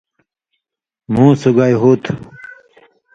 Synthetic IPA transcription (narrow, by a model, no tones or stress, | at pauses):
mũːsuɡajɦuːt̪ʰ